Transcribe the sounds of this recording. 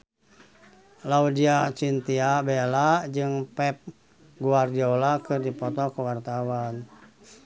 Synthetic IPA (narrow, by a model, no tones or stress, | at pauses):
laudiat͡ʃint̪iabelad͡ʒɨŋpɛp̚ | ɡuard͡ʒolakɨrdipɔt̪ɔkəwart̪awan